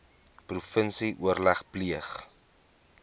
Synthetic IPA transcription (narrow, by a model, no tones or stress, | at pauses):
prufənsiʔuərlæχpliəχ